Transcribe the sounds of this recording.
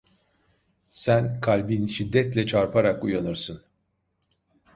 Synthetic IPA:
sænkʰalʲbinʃid̪ːɛt̪lʲɛt͡ʃʰaɾpʰaɾakujanɯɾsɯn

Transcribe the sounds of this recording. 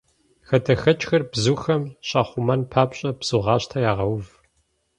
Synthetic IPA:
xɐdʰɐxɐt͡ʃʼxɐrbzuːxɐmɕɑːχʷʊmɐnpʰaːpɕʼɐbz̥uʁɑːɕtʰɐjaːʁɐwv

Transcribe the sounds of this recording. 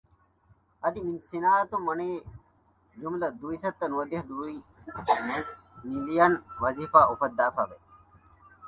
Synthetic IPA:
ɐd̪iminsinaːɐt̪umːɐneː | d͡ʒumlɐd̪ujsɐt̪ːɐnuɐd̪iɐɦd̪ui | milijɐnʋɐziːfaːʔufɐt̪̚ːaːfaːʋe

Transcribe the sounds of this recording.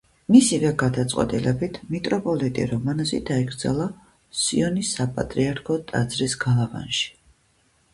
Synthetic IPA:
misivɛɡad̪at̪sʼqʼwɛ̰t̪ʼilɛbit̪ʰmik̪ʼɾɔpʼɔlit̪ʼḭɾɔmanzḭd̪aɛɡɾd̪za̰lˠa | siɔnisapʼa̰t̪ʼɾiaɾkʰɔt̪ʼa̰d̪zɾisɡalˠava̰nʃi̥

